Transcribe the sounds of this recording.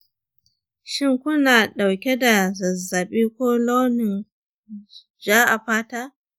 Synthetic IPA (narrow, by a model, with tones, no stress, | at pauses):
ʃɪ˦ŋkʷʊ˦naː˨ɗa˨wkʲe˦da˨zɐ˨zːɐ˨ɓiː˦kʷoː˦loː˦nɪ˨n | d͡ʒaː˦ʔa˨ɸaː˦taː˦